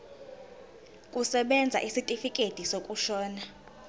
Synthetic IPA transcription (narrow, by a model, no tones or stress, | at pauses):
kʼusɛɓɛnd͡zʱa̰ʔisitʼifikʼed̥ʱisokʼuʃɔːna